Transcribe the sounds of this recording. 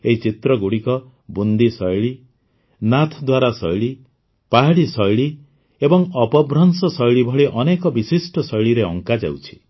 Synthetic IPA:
eɦit͡ʃit̪ɾɔɡuɽikɔ | bund̪isɔjɭi | nat̪ʰd̪waɾasɔjɭi | paɦiɽisɔjɭi | ebɔŋɔpɔbɾɔnsɔsɔjɭibʱɔɽɭiʔɔnekɔbisisʈɔsɔjɭiɾeɔŋkad͡ʒa̰wt͡ʃʰi̥

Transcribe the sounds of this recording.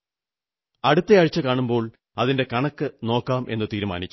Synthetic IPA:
ɐɽut̪ːeɐɻit͡ɕːɐkaːɳumbo̞ːɭ | ɐðinde̞kɐɳɐkːɨno̞ːkːaːmʔe̞̰nːɨt̪iːɾuma̰ːnit͡ɕː

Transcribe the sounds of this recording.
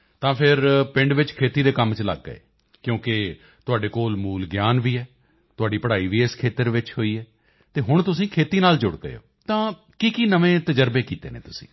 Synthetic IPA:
t̪ãːpʰɪɾpɪ̃ɳɖʋɪt͡ʃkʰeːt̪iːd̪eːkəmt͡ʃlə̰ɡːəḛː | kjõːkɪ | t̪ʊaːɖeːkoːlmuːlɡjaːnʋiːɛː | t̪ʊaːɖiːpəɽaːiːʋiːɪskʰeːt̪əɾʋɪt͡ʃɦoːiːɛː | t̪eːɦʊɳt̪ʊsĩːkʰeːt̪iːnaːld͡ʒʊɽɡə̰ḛo̰ːt̪ãː | kiːkiːnəʋẽːt̪əd͡ʒəɾbeːkiːt̪ḛːnḛːt̪ʊsĩ̥̰ː

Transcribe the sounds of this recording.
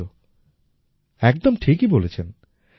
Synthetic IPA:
o | ɛkd̪omʈʰikibolet͡ɕʰen

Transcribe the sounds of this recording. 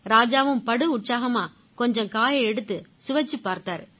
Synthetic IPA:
ɾaːd͡ʒaːʋɯmpɐɽɯʊʈsaːɣɐmaː | kɔɲd͡ʒɐ̃ŋkaːjɐɪɛɽɯt̪ːɯsʊʋɐt͡ʃːɯpːaːɾt̪aːɾ

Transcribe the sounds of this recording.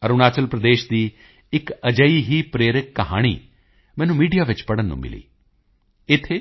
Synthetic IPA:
əɾunaːt͡ʃəlpɾəd̪eːʃd̪iː | ɪkəd͡ʒəiːɦiːpɾeːɾɪkːəɦa̰ːɽ̃ḭː | mɛ̃ːnũːmiːɖijaːʋɪt͡ʃpəɽənːṵ̃ːmɪ̰lḭː | ɪt̪ʰːeː

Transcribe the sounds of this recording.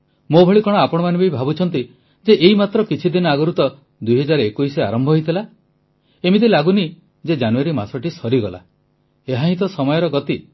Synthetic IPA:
mobʱɔɭikɔɽ̃ɔapɔɽ̃ɔmanbʱejbʱabut͡ʃʰɔnt̪i | d͡ʒeʔeimat̪ɾɔkit͡ʃʰid̪inɔaɡɔɾut̪ɔ | d̪ujɦɔd͡ʒaɾekujsea̰ɾɔmbʱɔɦjt̪ʰila | emid̪ilaɡuni | d͡ʒed͡ʒanuaɾimasɔʈisɔɾiɡɔla̰ | eɦaɦĩt̪ɔsɔmɔjɔɾɔɡɔt̪i

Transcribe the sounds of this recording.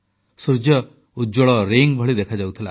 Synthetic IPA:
suɾd͡ʒjɔ | ud͡ʒɔɭɔɾiŋbʱɔɭid̪ekʰad͡ʒawt̪ʰila

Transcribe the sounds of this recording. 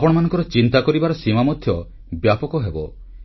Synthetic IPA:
apɔɽ̃manɔŋkɔɾɔt͡ʃint̪akɔɾibaɾɔsimamɔd̪ʱjɔ | bjapɔkɔɦebɔ

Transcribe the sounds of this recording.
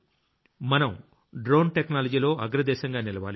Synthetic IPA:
mɐnɐm | ɖɾoːnʈeknaːlɐd͡ʒiːlo̞ːʔɐɡɾɐd̪ɛːʃɐŋɡaːnilɐʋa̰ːli

